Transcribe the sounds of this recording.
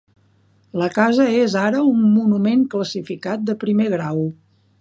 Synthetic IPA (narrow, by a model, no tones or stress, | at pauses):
ləkazəezaɾəumːunumeŋkləsifikat̪̚d̪əpɾimeɣ̞ɾaw